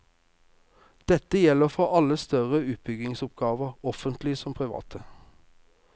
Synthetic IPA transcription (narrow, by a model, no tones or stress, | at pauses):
d̪̥ɛt̪əjɛləʁfɔɑləst̪œʁəʉːt̪̚bʏɡɪŋsʊp̚ɡɑːʋəʁɔfənt̪lɪsɔmpʰʁɪʋɑ̰ːt̪ʰə